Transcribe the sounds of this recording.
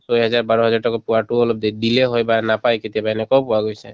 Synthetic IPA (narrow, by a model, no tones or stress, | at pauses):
sɔjɦɔzaɹbaɹɔɦɔzaɹtɔkɔpuwaʈuɔlɔb̚d̪eɖileɦojbanapajket̪iabanɛkɔwpuwaɡojsa